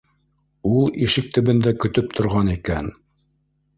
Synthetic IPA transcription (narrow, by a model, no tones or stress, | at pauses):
ulˠiʃɘk̚t̪ɵ̆βɘ̆nd̪ækɵ̆t̪ɵp̚t̪ʰŏɾʁɑnikæn